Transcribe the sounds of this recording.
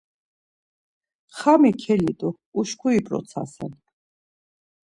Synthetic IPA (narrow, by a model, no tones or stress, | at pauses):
χamikʰɛlit̪ʼu | uʃkʰuipʼɾɔ̰t̪sʰa̰sɛ̰n